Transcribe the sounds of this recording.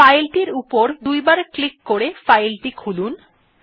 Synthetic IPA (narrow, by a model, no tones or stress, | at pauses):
ajlʈiɾupoɾd̪ujbaɾklikːoɾefajlʈikʰulun